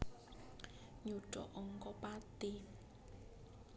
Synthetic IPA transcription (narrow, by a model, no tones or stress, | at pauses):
ɲuɖ̥ɔ̰ʔɔŋkɔpat̪i